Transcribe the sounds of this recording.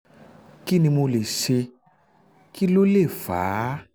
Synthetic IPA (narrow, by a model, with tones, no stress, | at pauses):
ki˦nĩ˧mo˧le˨ʃe˧ | ki˦lo˦le˦˨faː˨˦